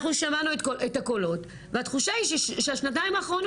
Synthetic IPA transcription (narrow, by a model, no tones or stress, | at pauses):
χnuʃamanuetkoetako̞lo̞t | veat̪χuʃaiʃeʃeaʃnat̬aimaːχʁon